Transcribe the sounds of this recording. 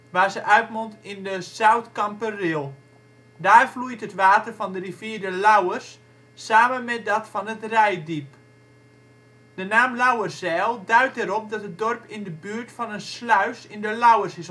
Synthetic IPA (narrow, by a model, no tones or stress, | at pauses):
ʋaːzəʔœɥtmontɪndəsawtkɑmpərɪlˠ | daːrflujtɦətʋaːtərfɔndəriviədəlawərsː | aːmənmɛt̚dɔtfɔnətrɛjdip | d̥ənaːmlawərsɛːlˠdœɥt̚ɛɾɔp̚dɔtət̚dɔrpʰɪndəbyːrtfɔnənslœɥsɪndəlawərsɪs